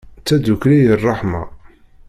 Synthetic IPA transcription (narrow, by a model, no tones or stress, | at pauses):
t͡sːæd̪ukɾijərˤːɑħmɑ̰